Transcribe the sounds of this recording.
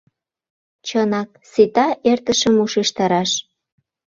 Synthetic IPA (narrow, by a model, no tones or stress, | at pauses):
t͡ɕənɑk̚sit̪ɑʔert̪ə̆ʃəmuʃeʃt̪ɑɾɑʃ